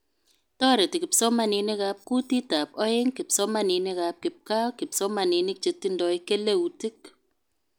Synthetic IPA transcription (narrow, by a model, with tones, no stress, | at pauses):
tɔ˦ɾe˨ti˨kɪ˨psɔ˦ma˦ni˨nɪ˦kap̚ku˦ti˦ta˨pɔ˦ɪ˦ŋkɪ˨psɔ˦ma˦ni˨nɪ˦kap̚kɪp̚ka˦wkɪ˨psɔ˦ma˨ni˨nɪ˦k̚t͡ʃe˨tːi˦ndɔ˨ike˦le˦u˨tɪ˦k̚